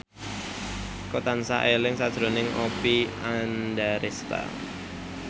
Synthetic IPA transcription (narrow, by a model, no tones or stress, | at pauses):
kot̪ansa̰ʔelɪŋsad̥ʒ̥ɾonɪŋʔopiandaɾest̪a̰